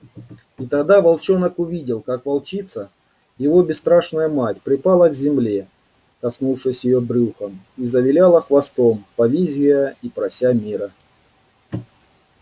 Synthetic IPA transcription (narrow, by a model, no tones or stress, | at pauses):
it̪ɐɡd̪avɐlˠt͡ɕo̞nəkʊvʲidʲɪlˠkakvɐlˠt͡ɕit̪sə | jɪvo̞bʲɪst̪ɾaʂnəjəmatʲpɾʲɪpalˠəɡzʲɪmlʲe | kɐsnufʂɨsʲjɪjobɾʲuxəm | izəvʲɪlʲalˠəxvɐst̪o̞mpɐvʲizʲvʲɪjəipɾɐsʲamʲiɾə